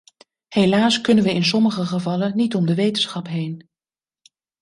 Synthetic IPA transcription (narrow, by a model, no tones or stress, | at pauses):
helaːskɵnənʋəɪnsɔməχəχəvɑlənnitɔmdəʋejtənsχɑpɦejn